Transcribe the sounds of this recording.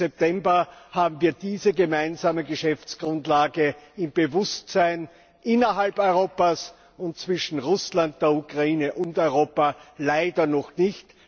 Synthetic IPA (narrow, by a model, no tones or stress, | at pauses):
ɛp̚tɛmbɐhaːbm̩viːɐdiːzəɡəmaɪnzaːməɡəʃɛft͡sɡ̥ʁʊntlaːɡəɪmbəvʊstsaɪn | ʔɪnɐɦalpɔʏʁoːpas | ʊnt̚t͡sv̥ɪʃn̩ʁʊslant̚d̥eːɐukʁaiːnəʔʊntɔʏʁ̞oːpalaɪdɐnɔχnɪçt